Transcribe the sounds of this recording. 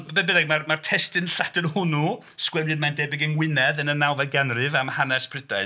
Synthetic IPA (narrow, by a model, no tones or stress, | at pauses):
bɛbɪnɛɡmarmartʰɛstɨnɬatɨnhʊnu | skwɛmɨdmandɛːbɪɡənwɪnɛðənənawvɛɡanrɨvamhanɛspʰrɪdaɨ